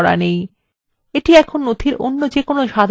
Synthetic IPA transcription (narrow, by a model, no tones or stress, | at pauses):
ɾa̰nej | eʈiɛkʰonːot̪ʰiɾʔo̰nːod͡ʑekonoʃad̪ʱ